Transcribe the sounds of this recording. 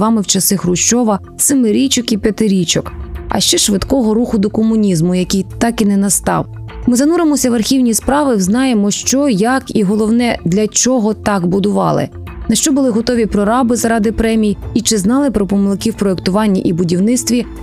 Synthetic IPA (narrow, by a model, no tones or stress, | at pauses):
ʋɑmɪwt͡ʃɐsɪxrʊʃt͡ʃɔʋɐ | sɪmɪɾʲit͡ʃɔkipʲɐt̪ɪɾʲit͡ʃɔkɐ̰ʃt͡ʃɛʃʋɪt̪kɔɦɔɾuxʊd̪ɔkɔmʊnʲizmʊjɐkʲijt̪ɑkinɛnɐst̪ɑ̰w | mɪzɐnuɾɪmɔsʲɐʋɐrxʲiwnʲispɾɑʋɪwznɑjemɔʃt͡ʃɔjɐkiɦɔlˠɔwnɛd̪lʲɐt͡ʃɔɦɔt̪ɑkbʊd̪ʊʋɑ̰lˠɪ̰ | nɐʃt͡ʃɔbʊlˠɪɦɔt̪ɔʋʲipɾɔɾɑbɪzɐɾɑd̪ɪpɾɛmʲijit͡ʃɪznɑlˠɪpɾɔpɔmɪlˠkʲiwpɾɔekt̪ʊʋɑnʲːɐʔibʊdʲiwnɪt̪st̪ʋʲi